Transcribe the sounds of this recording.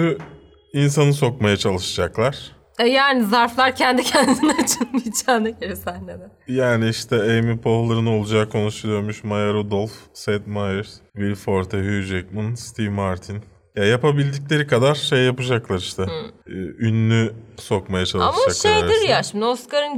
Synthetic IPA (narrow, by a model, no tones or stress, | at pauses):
y | insanɯs̬o̞kmajat͡ʃʰalˠɯʃad͡ʒaklˠaɾ̥ | ɛjaːnizaɾflˠaɾcʰɛnd̪icʰɛnd̪inɛat͡ʃʰɯnmit͡ʃʰaːnɛkeɾɛsænːed̪ɛjaːniiʃt̪ʰɛejmipʰo̞hlˠaɾɯno̞lˠud͡ʒaːkʰo̞nuʃulˠujo̞ɾmuʃmajaɾod̪olˠfsɛt̪majɛɾvilʲfoɾt̪ʰɛɦyd͡ʒɛk̚manst̪ʰivmaɾt̪ʰin | jajapabilʲd̪iclʲe̞ɾikʰad̪aɾ̥ʃe̞jːapɯd͡ʒaklˠaɾiʃt̪ʰɛː | ynːyso̞kmajat͡ʃʰalˠaʃmad͡ʒakʃejd̪iɾjaʃimd̪ioskaɾɯn